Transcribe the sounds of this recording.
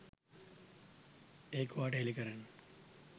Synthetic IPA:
eːkuʋaːʈəɦelikəɾənːə

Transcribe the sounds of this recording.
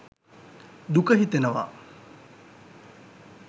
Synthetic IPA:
d̪ukəɦit̪enəʋa̰

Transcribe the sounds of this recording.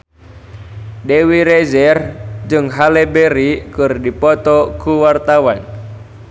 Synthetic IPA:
dewiɾezɛrd͡ʒɨŋɦalebeɾikɨrdipɔt̪ɔkuwart̪awan

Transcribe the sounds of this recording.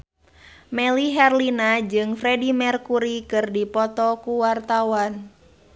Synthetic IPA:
mɛliɦɛrlinad͡ʒɨŋfɾɛdimɛrkuɾikɨrdipɔt̪ɔkuwart̪awan

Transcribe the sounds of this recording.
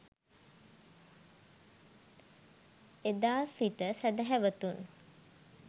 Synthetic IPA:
ed̪aːsit̪əsæd̪əɦæʋət̪un

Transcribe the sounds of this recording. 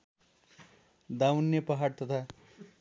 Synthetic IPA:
d̪awnːepaɦaɽt̪ʌt̪ʰa

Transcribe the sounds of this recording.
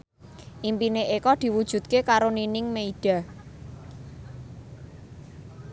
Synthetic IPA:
ʔimpineʔekɔd̪̥i̤wud̥ʒ̥ṳt̪̚kekaɾoninɪŋmeiɖ̥a̤

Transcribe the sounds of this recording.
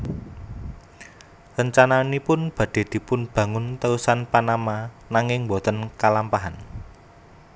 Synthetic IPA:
rəɲt͡ʃananipʊnb̥ä̤d̥e̤d̪̥i̤pʊnb̥ä̤ŋʊnt̪əusanpanama | naŋɪŋbɔt̪ənkalampaɦan

